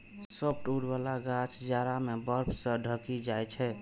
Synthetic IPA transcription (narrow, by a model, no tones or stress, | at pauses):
səp̚ʈuɽbalaɡat͡ʃʰd͡ʒaɾamebəɾpʰsə̃ɖʱəkid͡ʒajt͡ʃʰɛ